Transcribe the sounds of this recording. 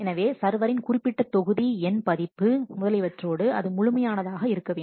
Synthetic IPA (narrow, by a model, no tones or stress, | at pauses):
ɛnɐʋeːsɐɾʋɐɾɪnkʊrɪpːɪʈːɐt̪ːɔɣɯðiɛnpɐðɪpːɯmʊðɐlɐɪʋɐʈroːɽɯɐ̰ðɯmʊɻʊmɐjaːnɐðaːɣɐɪɾɯkːɐʋeː